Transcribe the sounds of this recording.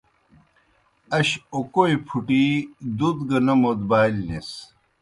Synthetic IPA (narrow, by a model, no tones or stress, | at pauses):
ɐɕokoipʰuʈid̪ud̪ɡɐnɐmod̪baːilnes